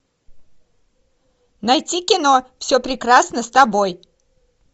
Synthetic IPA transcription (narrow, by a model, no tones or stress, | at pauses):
nɐjtʲikʲɪno̞fsʲopɾʲɪkɾasnəst̪ɐboj